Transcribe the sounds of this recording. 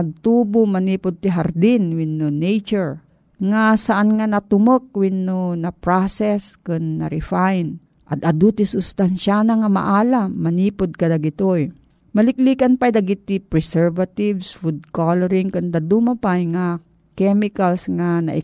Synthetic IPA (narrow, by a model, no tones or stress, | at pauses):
ɐɡ̚t̪uːbomɐniːpod̪̚t̪ɪɦɐɾd̪ɪnwɪnːonɛjt͡ʃoɹ | ŋasɐʔanŋanɐt̪ʊmok̚wɪnːonɐpɾasɛskʊnːɐ̰ɾɪfajn | ʔɐt̪ɐd̪ut̪ɪsʊst̪anʃanaŋɐmɐ̰ʔaːlamːɐniːpod̪̚kɐd̪ɐɡɪt̪oj | mɐlɪk̚liːkanpajd̪ɐɡit̪ipɹɛsɛɹvat̪ivsfud̪̚kolɛɾiŋkʊnd̪ɐd̪umɐpajŋa | kɛmɪkalsŋanɐ̰ʔɪ